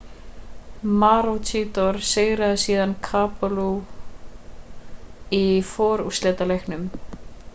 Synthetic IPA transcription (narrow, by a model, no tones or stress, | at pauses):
maɾowt͡ʃʰiːt̪ɔɾ̥seɣɾaðɪsiːðankʰaːpalu | ifɔːɾuslɛːt̪alejknʏm